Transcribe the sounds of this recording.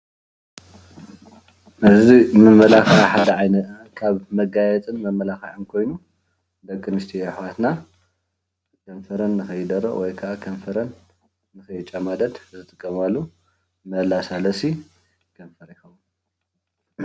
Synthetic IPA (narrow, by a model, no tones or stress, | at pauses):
ʔɨzimɨmɐlaxaaħad̪ɐʕajnɐ | kʰaβmɐɡajɛt͡s̪ʼɨnmɐmɐlaxɐʕɨnkʰo̞jnu | d̪ɐkʼːɨnɨst̪ʰioħwat̪na | kʰɐɱfɐɾɐnːɨxɐjɨd̪ɐɾːɐ̰ʔwɔjkʰaʔakʰɐnfɐɾɐnː | ɨxɐjt͡ʃʼɐmad̪ɐd̪zɨt̪ʼɨkʼːɐmalːu | mɐlasalɐsi | kʰɐɱfɐɾixɐm